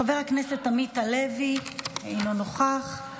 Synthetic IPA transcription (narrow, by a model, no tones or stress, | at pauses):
ave̞ʁaknese̞t̪ːamitalevihainonoχaχ